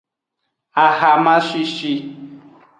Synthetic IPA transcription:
a˨ha˨mã˦ʃi˧ʃi˧

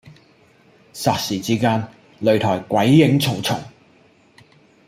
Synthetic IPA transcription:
saː˨k̚siː˨˩t͡siː˥kaː˥n | lɵ˨˧ɥt̪ʰɔː˨˩jkwɐ˨˥jːɪ˨˥ŋt͡sʰʊ˨˩wt͡sʰʊ˨˩ŋ

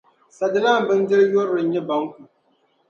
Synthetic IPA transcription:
sɐ˨dɨ˦la˦˨m˨bɨ˦ndɪ˦ɾjɔ˦ɾɨ˨ɲ˦ɲɛ˦ba˦ŋkʷu˨

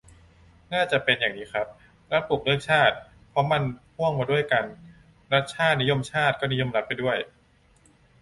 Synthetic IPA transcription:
naː˥˩t͡ɕa˨˩ʔpe˧njaː˨˩ŋniː˦˥xʰɾa˦˥p̚ | ɾa˦˥t̪̚bu˨˩k̚lɯ˥˩əŋ̚t͡ɕʰaː˥˩t̪̚ | pʰɔ˦˥ma˧npʰu˥˩əŋmaː˧du˥˩əjka˧n | ɾa˦˥t̪̚t͡ɕʰaː˥˩t̪̚ni˦˥jo˧˨mt͡ɕʰaː˥˩t̪̚kɔː˥˩ni˦˥jo˧˥˨mla˦˥t̪̚pa˧jdu˥˩əj

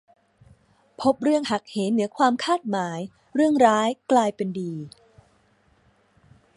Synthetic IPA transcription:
pʰo˦˥p̚ɾɯ˥˩əŋha˨˩k̚he˩˦nnɯ˩˦əkʰwaː˧mkʰaː˥˩t̪̚maː˩˦j | ɾɯ˥˩əŋɾaː˦˥jklaː˧jpe˧ndiː˧

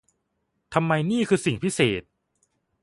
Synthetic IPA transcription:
t̪ʰa˧mːa˧jniː˥˩kʰɯː˧si˨˩ŋpʰi˦˥seː˨˩t̪̚

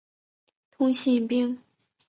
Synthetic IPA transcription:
t̪ʰʊ˥ŋɕi˥˩˨pi˥ŋ

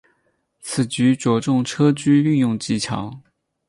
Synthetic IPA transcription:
t͡sʰɹ̩˨˩t͡ɕy˧˥ʈ͡ʂwɔ˧˥ʈ͡ʂʊ˥˩ŋʈ͡ʂʰɤ˥t͡ɕy˥y˥˧njʊ˥˧ŋt͡ɕi˥t͡ɕʰɑ̰˧˥ŋ

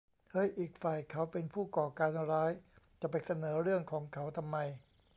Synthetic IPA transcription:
hɤ˦˥jʔiː˨˩k̚faː˨˩jkʰa˨˦˥wpe˧npʰuː˥˩kɔː˨˩kaː˧nɾaː˦˥jt͡ɕa˨˩pa˧jsa˧nɤː˩˦ɾɯ˥˩əŋkʰɔː˩˦ŋkʰa˩˦˥wt̪ʰa˧mːa˧j

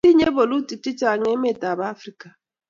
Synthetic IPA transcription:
i˦ɲe˦bo˨lu˦ti˨ti˦t͡ʃa˨ŋe˦me˦˨ta˨ba˦fɾi˦ka˨

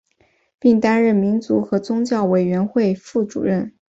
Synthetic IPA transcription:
pi˥˩ŋt̪a˥nɻə˥˩nmi˧˥nt͡su˧˥xɤ˧˥t͡sʊ˥ŋt͡ɕjɑ˥˩ʊwe˨˩ɪɥɛ˧˥nxwe˥˧ɪfu˥˩ʈ͡ʂṵ˨˩ɻə˥˩n

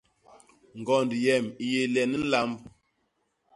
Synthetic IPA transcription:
ŋ̩˨ɡɔ˨ndi˨jɛ˨mi˨je˨lɛ˨n̩˦la˦mb

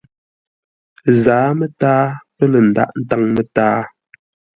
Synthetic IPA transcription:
zaː˨˦mə˦taː˦pə˦lə˨n̩˨da̰˦˨ʔn̩˦ta˦ŋmə˦taː˦

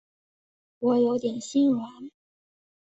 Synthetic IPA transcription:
wɔ˨˧˥jo˧˥ʊt̪jɛ˨˩nɕi˥nɻwa˧˥n

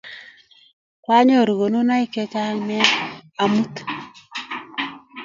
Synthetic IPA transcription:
kwa˦ɲɔ˦˨ɾu˨ɡo˨nu˦na˦i˦ke˦t͡ʃa˦ŋmɛ˦a˨mu˦t̪

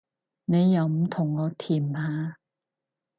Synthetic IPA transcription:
ne˨˧jːɐ˨˧˩wm̩˨˩t̪ʰʊ˨˩ŋlɔː˨˧˥t̪ʰiː˨˩mhaː˨˧˥

